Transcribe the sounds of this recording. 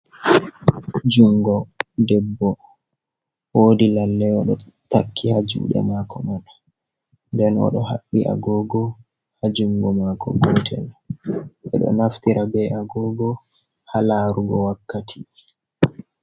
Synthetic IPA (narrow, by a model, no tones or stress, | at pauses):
d͡ʒuŋɡɔdɛbːɔ | woːdilalːɛɔɗɔ | takʰːihad͡ʒṵːɗɛ̰maːkɔmɔɗḁ | ndɛnɔ̰ɗɔha̰ɓːiʔa̰ɡɔɡɔ | had͡ʒuŋɡɔmakʰɔ̰ɡɔtʰɛ̰l | ʔɛ̰ɗɔ̰naftiɾabɛʔaɡɔɡɔ | halaːɾuɡɔwakːatʰi